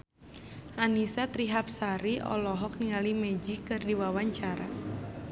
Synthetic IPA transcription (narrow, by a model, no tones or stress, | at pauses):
ʔanisat̪ɾiɦap̚saɾiɔ̰lɔɦɔk̚niŋalimɛd͡ʒikːɨrdiwawaɲt͡ʃaɾa̰